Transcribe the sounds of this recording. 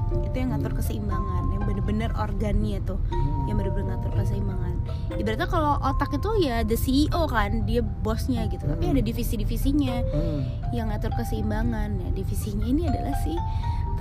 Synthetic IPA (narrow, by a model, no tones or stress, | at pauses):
it̪ujaŋat̪ʊrkəsəimbaŋanjaŋbənəbənəro̰rɡanat̪ʊhjaŋbəɾbənəŋat̪ʊrkəsəimbaŋan | dibəɾat̪akaloʔot̪akit̪ujadəsiːʔokandia | bɔsɲaɡit̪ut̪apiadadifisidifisiɲa | jaŋːat̪ʊrkəsəimbaŋanja̰difisiɲainiadalahsɪh